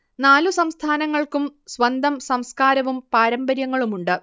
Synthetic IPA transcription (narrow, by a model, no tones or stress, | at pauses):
naːlusɐmst̪ʰaːnɐŋːɐɭkumsʋɐnd̪ʱɐmsɐmskaːɾɐʋumpaːɾɐmbɐɾjɐŋːɐɭumuɳɖɨ